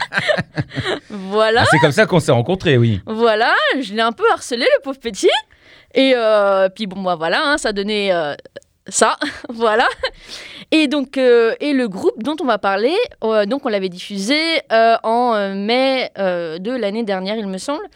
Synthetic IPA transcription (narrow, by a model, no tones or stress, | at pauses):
vwalasɛkɔmsakɔ̃sɛʁɑ̃kɔ̃t̪χewḭvwalaʒəlɛɛ̃pøaʁsəleləpovpət̪i | eøpɥibɔ̃bavwalaɛ̃saːd̪ɔneø | savwala | ed̪ɔ̃køeləɡʁup̚d̪ɔ̃t̪ɔ̃vapaʁled̪ɔ̃kɔ̃lavɛd̪ifyzeøɑ̃ømɛød̪əlaned̪ɛʁnjɛʁilməsɑ̃bl